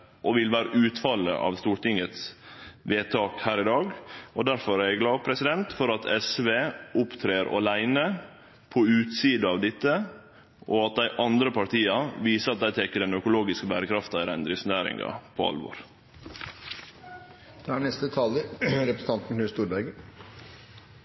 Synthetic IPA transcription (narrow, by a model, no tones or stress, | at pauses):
ʔɔʋɪlʋæːɾəʔʉːt̪fɑlːə̰ʔɑ̰ʋst̪uːʈɪŋət̪sʋeːt̪ʰɑːkhæːɾɪd̪ɑːɡɔd̪æɾfɔɾæɾɛɡlɑːʋpʰɾɛsɪd̪ɛnt̪fɔɾɑt̪ʰɛsʋeːʊpt̪ʰɾeːɾɑ̰læɪnə | pʰɔʉːt̪siːd̪ɑɑʋd̪ɪt̪ːə | ʔɔɑt̪̚d̪æɪʔɑnd̪ɾəpʰɑɾt̪iːɑʋiːsəɑt̪̚d̪æɪt̪ʰɛkːəɖɛnœkʊloːɡɪskəbæːɾəkʰɾɑft̪ɑɪd̪ɛnd̪ɾɪsnæːɾɪ̰ŋɡɑ̰pʰɔ̰ɑ̰lʋo̰ːɾ | d̪̥ɛæɳɛst̪ət̪ʰɑːləɾɛpɾəsəɑnt̪n̩kʰnʉːst̪uːɾbæɾɡə